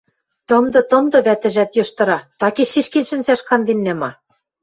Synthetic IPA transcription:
t̪ɤ̆md̪ɤ̆t̪ɤ̆md̪ɤ̆βæt̪ɘ̆ʒæt̪jɤ̆ʃt̪ɤ̆ɾɑt̪ɑkeʃiʃkenʃɘ̆nsæʃkɑnd̪enːæmɑ

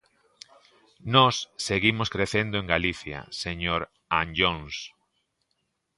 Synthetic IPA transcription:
nɔsːeɣimʊskɾeθend̪oẽŋɡaliθjɐ̰seɲoɾ | anʎoŋs

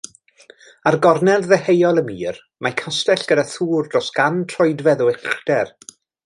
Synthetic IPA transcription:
arɡɔrnɛlˠðɛhejɔlˠəmiːr | makʰastɛɬɡ̥ədaθuːrdrɔsɡ̥antʰrɔɨdvɛðɔɛχd̥ɛr

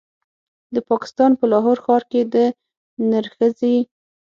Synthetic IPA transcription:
d̪əpɑkɪ̥st̪ɑnpəlɑɦoɾxɑɾked̪ə | naɾxəze

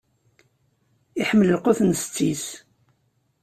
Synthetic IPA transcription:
iħəmːələlqoθnst͡sːis

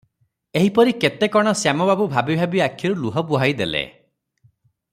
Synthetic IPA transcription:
eɦipɔɾiket̪ekɔɽ̃ɔsjamɔbabubʱabibʱabiakʰːjɔɾuluɦɔbuɦajd̪elḛ

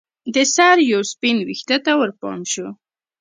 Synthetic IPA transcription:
d̪əsaɾjawspinwixt̪at̪awəɾpɑ̰mʃu

